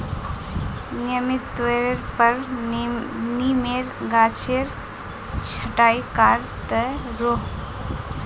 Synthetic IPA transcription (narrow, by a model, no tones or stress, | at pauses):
njəmit̪ːeɾəɾpəɾ | nimeɾɡat͡ʃʰeɾ | t͡ʃʰəʈajkaɾt̪əɾoɦ